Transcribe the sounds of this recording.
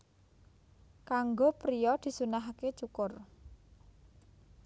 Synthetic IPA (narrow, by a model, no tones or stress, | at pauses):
kaŋɡopɾijɔd̪̥i̤sunaɦaket͡ʃukʊr